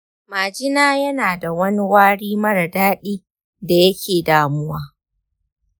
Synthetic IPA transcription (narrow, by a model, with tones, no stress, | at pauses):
maː˨d͡ʒɪ˦naː˦jɐ˦naː˨da˨wɐ˦ni˦waː˦ɽiː˦mɐ˦ɽɐ˨daː˦ɗiː˦ | da˨jɐ˦kʲeː˨daː˨mʊ˦waː˦